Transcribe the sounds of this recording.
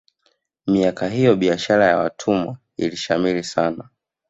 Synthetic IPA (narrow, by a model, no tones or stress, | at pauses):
miakaɦijɔɓiaʃaɾajawatʰumwa̰ | ḭliʃamilisana